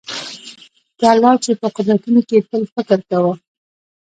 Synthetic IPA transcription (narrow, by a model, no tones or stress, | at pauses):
kalːɑt͡ʃepəqʊd̪ɾat̪unokepəlfɪkɾkawə